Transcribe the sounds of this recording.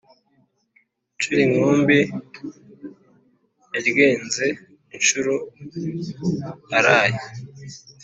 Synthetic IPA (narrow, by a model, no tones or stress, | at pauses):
t͡ʃuɾiŋoːmbi | eɾɡeːnze | inʃuɾu | aɾaːje